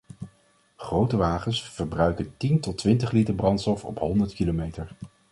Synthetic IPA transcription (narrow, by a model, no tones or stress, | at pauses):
χrowtəʋaːχənsfəɹbrœɥkəntintɔtʋɪntəχlitəɹbrɑntstɔfɔ̰pɦɔndəɹtkilomejtəɹ